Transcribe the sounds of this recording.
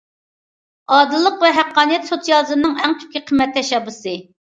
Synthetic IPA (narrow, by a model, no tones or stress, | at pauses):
ɑːd̪ɨlˠːəqvɛɦæqːɑːnɨjɛt̪sot͡ʃ̪jɑːzɨmnɨŋɛŋt̪ʲʰy̥p̚kʲiqʰəmːɛt̪ʰːɛʃɛbɨsɨ